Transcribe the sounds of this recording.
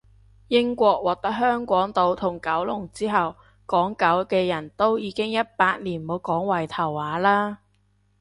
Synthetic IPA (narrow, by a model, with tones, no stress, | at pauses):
jɪ˥ŋkʷɔː˧k̚wɔː˨k̚t̪ɐ˥k̚ɦœː˥ŋkʷɔː˨˥ŋt̪o˧wt̪ʰʊ˨˩ŋkɐ˨˥wlʊ˨˩ŋt͡siː˥ɦɐ˨w | kɔː˨˥ŋkɐ˨˥wkɛː˧jɐ˨˩nt̪o˥wjiː˨˧˥kɪ˥ŋjɐ˥t̚paː˧t̚liː˨˩nmo˨˧wkɔː˨˥ŋwɐ˨˩jt̪ʰɐ˨˩whaː˨˥laː˥